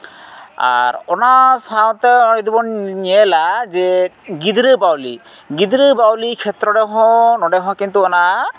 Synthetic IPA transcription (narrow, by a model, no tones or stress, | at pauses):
a̰ɾɔnasaw̃t̪ɛɔid̪ibɔnɲiɛlazɛɡid̪ɾɯbawlḭ | ɡid̪ɾɯbawlikʰɛt̪ɾɔdɛɦɔ̃nɔɖɛɦɔ̃kint̪uɔna